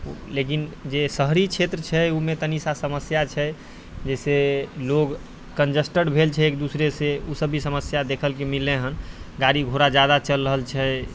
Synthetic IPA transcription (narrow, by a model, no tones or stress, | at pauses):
lekind͡ʒesəɦɾit͡ʃʰet̪ɾət͡ʃʰɛumet̪ənisasəməsjat͡ʃʰɛ | d͡ʒɛseloɡ | kənd͡ʒəsʈəɽbʱelt͡ʃʰɛekd̪usɾeseusəbʱisəməsjad̪ekʰəlkemilːeɦənɡaɾiɡʱoɾad͡ʒad̪at͡ʃəlɾəɦəlt͡ʃʰɛ